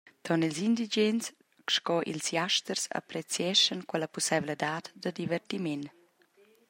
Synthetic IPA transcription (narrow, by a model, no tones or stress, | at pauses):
t̪ʰɔnilzind̪id͡ʒɛns | ʃkɔʔḭlsjaʃt̪ərsa̰pɾɛt͡sjɛʃənkwɛləpusɛvləd̪aːt̪d̪əd̪ivɛrt̪imɛn